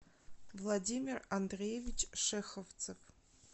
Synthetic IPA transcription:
vlˠɐdʲimʲɪrɐnd̪ɾʲejevʲɪt͡ɕʂɛxəft̪sɨf

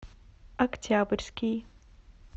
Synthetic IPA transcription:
ɐkt͡ɕaːbəɾskiː

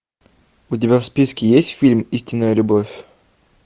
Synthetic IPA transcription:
ʊt̪̬ʲɪbʲafspʲiskʲɪjesʲtʲfʲilʲmisʲtʲɪnːəjəlʲʊbofʲ

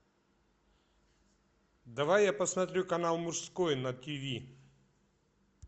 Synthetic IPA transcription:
d̪ɐvajːapɐsmɐt̪ɾʲukɐnalˠmʊʂskojnɐt̪ʲivʲi

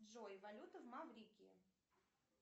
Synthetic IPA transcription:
ʐojvɐlʲut̪əvmavɾʲikʲiɪ̰

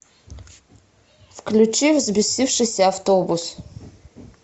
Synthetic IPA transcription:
fklʲut͡ʃivzbisʲifʂɨsʲɛaft̪obus

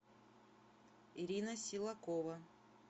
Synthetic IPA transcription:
iɾʲinəsʲilˠɐkovɐ

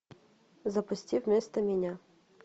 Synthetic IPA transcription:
zɐpʊsʲtʲiwmɪst̪ɐmʲinʲa

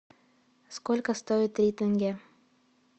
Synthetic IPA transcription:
skolʲkəst̪ojɪt̪ɾʲit̪ɘ̆ŋɡʲæ

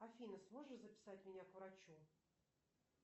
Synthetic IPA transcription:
ɐfʲinəsmo̞ʐɨzəpʲɪ̥satʲmʲɪnʲakvɾat͡ɕu

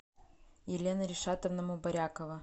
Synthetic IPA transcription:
jɪlʲenəɾʲɪʂat̪əvnɐmubɐɾʲakəvə

